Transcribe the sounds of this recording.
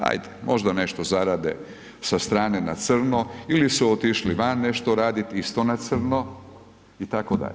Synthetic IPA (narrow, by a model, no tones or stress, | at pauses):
a̰jd̪emʔo̞ʒd̪ane̞ʃt̪ozaɾad̪ḛ | sast̪ɾaːnena̰t̪sr̩noilisuot̪iʃliʋanːe̞ʃt̪oɾaːd̪it̪ist̪onat̪sɨr̩no | it̪akod̪a̰ʎe